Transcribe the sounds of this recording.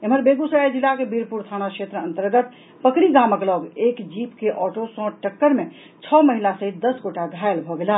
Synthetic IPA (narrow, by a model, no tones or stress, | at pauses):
eməɾbeɡusəad͡ʒilːakebiɾpuɾt̪ʰanakʃet̪ɾəənt̪əɾɡət̪ | pəkɾiɡaməklɔɡekd͡ʒipkeʔɔʈosə̃ʈəkːəɾme | t͡ʃʰɔməɦilasəɦit̪̚d̪əsɡoʈaɡʱajlbʱɔɡela